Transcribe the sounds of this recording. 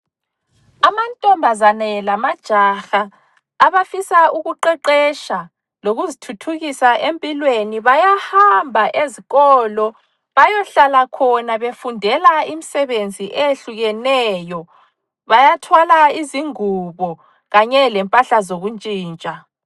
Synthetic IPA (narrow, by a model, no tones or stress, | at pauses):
amantʼɔmbʱazanɛlamad̥ʒ̥ʱaxaː | βafisauɣuǃɛǃɛʃa | loɣuzitʰutʰuɣisaʔempʼilweniβajahambʱaʔeziɣɔlɔ | βajɔɬalakʰɔnaβefundʱɛlaimisɛβend͡zʱiʔeɬuɣɛnɛːjɔ | βajatʰwalaiziŋuβɔ | ɣaɲɛlɛmpʼaɬazoɣunt͡ʃʼiːnt͡ʃʼa